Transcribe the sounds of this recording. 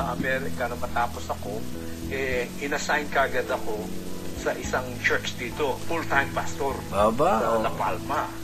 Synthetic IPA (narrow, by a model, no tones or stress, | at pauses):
ʔɐmɛɾɛkɐnɐmːɐt̪aːposɐko̞ | ʔɛ | ɪnɐsajnkɐʔɐɡɐd̪ɐko̞sɐʔɪsaŋt͡ʃɛɹt͡ʃd̪iːt̪o̞fult̪ajmpast̪oɾbabaɐnɐpalmɐ